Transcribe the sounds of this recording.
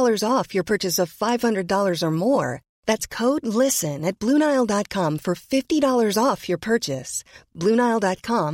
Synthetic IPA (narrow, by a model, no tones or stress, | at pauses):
lˠə˞zɔfjə˞pʰɜ˞t͡ʃɨsʌv̥faɪv̥hʌ̃ndɹɨdɔlˠə˞zə˞mɔɹ | ðætskʰoʊdˡlɪsɨ̃nɨt̚b̥luñaɪlˠdɑt̚kʰɑ̃ɱfə˞fɪftiɾɔlˠə˞zɔfjə˞pʰɜ˞t͡ʃɨsb̥lʉ̃ñaɪlˠdɑt̚kʰɑ̃m